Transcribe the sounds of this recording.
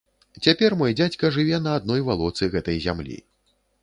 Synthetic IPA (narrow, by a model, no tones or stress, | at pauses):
t͡sʲapʲɛrmɔjɛd͡zʲat͡sʲkɐʐɨvʲɛnɐːd̪nɔjvalˠɔt̪sɨɣɛt̪ɐjzʲa̰mlʲḭ